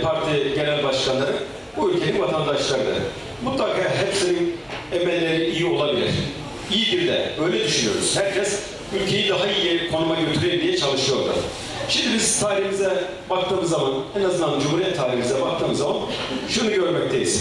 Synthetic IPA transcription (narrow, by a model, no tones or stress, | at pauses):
pʰaɾt̪ʰiɟe̞lʲænʲbaʃkanlˠaɾɯm | buylʲcʰe̞ninvat̪ʰand̪aʃlˠaɾɯnɯ̰ɾɯ̰ | mut̪lˠakʰaːɦɛpsinin | ɛmɛlʲːe̞ɾiijio̞lˠabilʲḭɾ̥ | ijiɟiɾd̪ɛ̰ɾø̞jlʲɛd̪yʃynyjo̞ɾṵz̥hæɾcʰɛs | ylʲcʰe̞jid̪aɦaijikʰo̞numaɟø̞t̪ʰyɾeid̪ijɛt͡ʃʰalˠɯʃɯjo̞ɾd̪ṵ | ʃimd̪ibizt̪ʰaːɾihimizɛ | bak̚t̪ʰɯːmɯzːamanɛnazɯnd̪and͡ʒumhuɾijɛt̪ʰːaːɾihimizɛbak̚t̪ʰɯːmɯzːamanʃunuɟø̞ɾmɛc̚t̪ʰejḭz̥